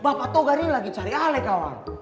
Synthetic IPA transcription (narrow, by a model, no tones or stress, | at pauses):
bapat̪oɡaɾilaɡit͡ʃaɾialɛkawa̰